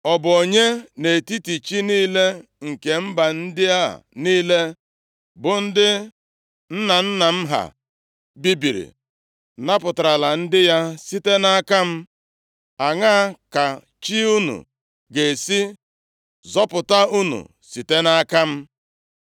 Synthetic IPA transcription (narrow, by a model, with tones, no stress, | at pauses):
ɔ˨bʊ˨o˨ɲe˦ne˨ti˦ti˨t͡ʃi˦niː˦le˦ŋ̩˨ke˨m̩˦ba˨n̩˦dɪ˦ja̰˦˨niː˦le˦ | bʊ˨n̩˦dɪ˦ | n̩˦na˨n̩˦na˨m̩˦ɦa̰˨ | bi˦bi˨ɾḭ˨ | na˦pʊ˨ta˨ɾa˨la˨n̩˦dɪ˦ja˦si˦te˦na˦ka˦m̩˦ | a˨ŋa˦a˨ka˨ | t͡ʃi˦u˦nṵ˨ | ɡe˨si˦ | zɔ˦pʊ˨ta˦u˦nṵ˨ | si˨te˦na˦ka˦m̩˦